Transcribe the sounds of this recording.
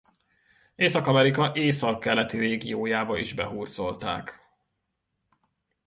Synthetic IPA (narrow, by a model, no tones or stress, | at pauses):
eːsɒkɒmɛɾikɒʔeːsɒkːɛlɛt̪iɾeːɡijoːjaːbɒiʒbɛ̰ɦuːrd̪zo̞lt̪a̰ːk